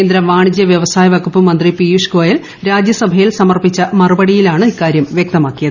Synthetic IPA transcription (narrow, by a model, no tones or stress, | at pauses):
eːnd̪ɾɐʋaːɳid͡ʑjɐʋjɐʋɐsaːjɐʋɐkupːɨmɐnd̪ripijuʂkoːjɐl | ɾaːd͡ʑjɐsɐbʱɐjilsɐmɐrpit͡ɕːɐmɐrubɐɽijilaːɳɨikːaːɾjɐmʋjɐk̚t̪ɐmaːkːijɐðɨɨ